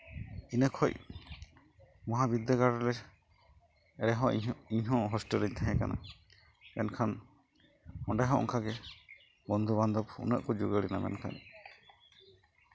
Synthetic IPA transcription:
inəkʰɔj | mɔɦabid̪əɡaɾɔlɛ | ɛɾɛɦɔ̃iɲɦɔ̃ɦɔsʈəliɲt̪ʰaɦɛ̃ka̰na̰ | ɛnkʰan | ɔɳɖaɦɔ̃ʔɔ̰ŋkʰaɡɛ | bɔnd̪ʱuβand̪ɔpʰṵnəʔkɔd͡ʒuɡəɽinamɛ̰nkʰa̰n

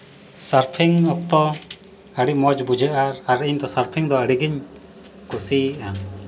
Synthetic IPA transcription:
saɾpʰiŋɔp̚t̪ɔ | əɽimɔd͡ʒbud͡ʒʱəʔaɾaɾiɲt̪ɔsaɾpʰiŋd̪ɔəɽiɡiɲ | kusiʔa

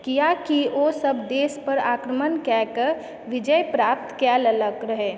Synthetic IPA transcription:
kijakiosəbd̪eːspəɾaːkɾəmənkɛkəɾ | ʋɪd͡ʒəjpɾaːp̚t̪kjɛlələɡɾəɦɛ

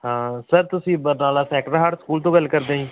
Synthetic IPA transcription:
ɦãːsəɾt̪ʊsĩːbənaːlaːsɛːkʈəɾɦəɾskuːlt̪̬õːɡəlkəɾd̪ẽːĩː

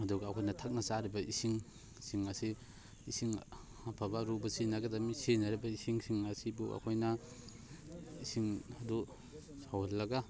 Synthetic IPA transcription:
ɐduɡaːkʰojnɐtʰak̚nasaɾibɐʔisiŋ | siŋasi | isiŋ | apʰabaɾubɐsinaɡɐdɐmisenaɾibɐisiŋsiŋasibuʔa̰kʰojnɐ | isiŋɐdu | sawalːɐɡa

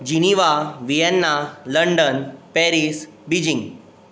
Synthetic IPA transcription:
d͡ʑiniʋaʋijɛnːaləɳɖənpɛɾis | bid͡ʑĩŋɡ

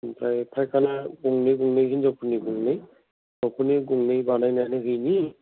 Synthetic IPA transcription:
pɹajpʰajkʰanaɡuŋnejɡuŋnejkʰinizɔpʰuniɡuŋnej | ɔpuniɡuŋnejbanajnajnɛɦɯjni

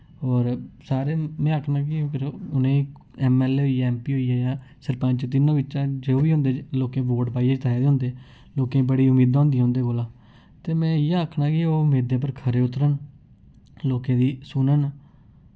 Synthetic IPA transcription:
ɔːɾsaːɾeːmɛ̃ːəkʰnãːkɪ̃pʰɪɾʊnẽː | ɛːmɛːleːɦoːijɛːmpiːɦoːiːaːjãː | səɾpãːt͡ʃt̪ɪnːãːʋɪt͡ʃãːd͡ʒeːoːʋiːɦõnd̪eːloːkẽːʋoːʈpaːiːeːd͡ʒət̪ʰaːjeːd̪eːɦnd̪eː | loːkẽːbəɽiːʊmiːd̪ãːɦʊ̃nd̪ijãɦʊ̃nd̪eːkolãː | t̪eːmɛ̃ːɪjaːəkʰnãːkɪoːmeːd̪ẽːp̬əɾkʰəɾeːʊt̪ɾən | loːkẽːd̪iːsʊːnənː

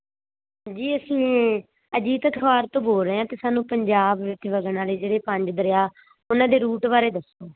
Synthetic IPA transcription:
d͡ʒiːəsĩː | əd͡ʒiːt̪əkʰəʋaːɾt̪õːboːlɾəeãːt̪eːsaːnũːpəɲd͡ʒaːbʋɪt͡ʃʋəɡnaːleːd͡ʒeːɽeːpə̃ɲd͡ʒd̪əɾɪjaː | ʊnãːd̪eːɾuːʈʋaːɾeːd̪əsːoː

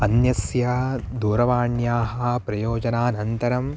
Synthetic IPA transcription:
ɐnjɐsjɐd̪uːɾɐʋaːɳjaːɦɐpɾɐjoːd͡ʒɐnaːnɐnt̪ɐɾɐm

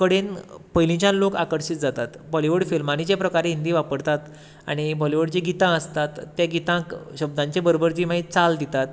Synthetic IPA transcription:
kəɽenpəjlĩt͡ɕãnlokakəɾɕit̪̚d͡zat̪at̪bɔliʋəɽfilmañit͡ɕepɾəkaɾeɦind̪iʋapəɾt̪at̪ | a̰ɽ̃ibɔliʋəɽt͡ɕĩɡit̪ãəst̪at̪ːjaɡit̪ãkɕəb̚d̪ãɲt͡ɕebəɾobəɾd͡ʑimaɦit̪̚t͡sald̪it̪at̪

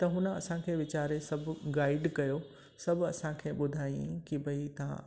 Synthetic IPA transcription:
t̪ɐɦʊnə̆ɐ̰sãkʰeːʋɪt͡ɕaːɾesɐbʱʊɡaːɪɖkɐjo | sɐbʱɐsãkʰeːɓʊd̪ʱaːj̃ĩkibʱɐit̪ɐʋã̰

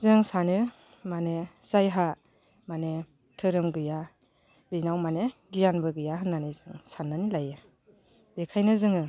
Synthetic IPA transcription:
zɯŋsanɯ | manez̥ajɦa | mane | tʰɯɾɯmɡɯja | binawmaneɡijanbɯɡɯjaɦɯnːanizɯŋsanːanilajɯ | dekʰajnɯzɯŋɯ

